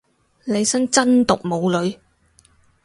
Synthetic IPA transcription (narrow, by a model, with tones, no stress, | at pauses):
le˨˧jsɐ˥ŋt͡sɐ˥nt̪ʊ˨k̚mo˨˧wlɵ˨˧ɥ